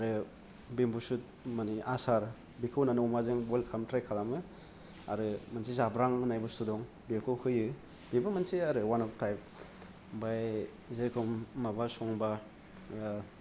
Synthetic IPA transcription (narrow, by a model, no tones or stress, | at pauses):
aɾɯ | bimbusut̚ | maniʔasaɾ | bikʰɯwnanɯwmazɯŋbɔlkʰamtɾajkʰalamɯ | a̰ɾɯmɯnsizabɾaŋɯnajbɯsudɔŋ | bikʰɯwhɯjɯ | bibɯmɯnsiaɾɯwanɔptajp̚ | baj | zeɾkʰɔmːabasɔŋba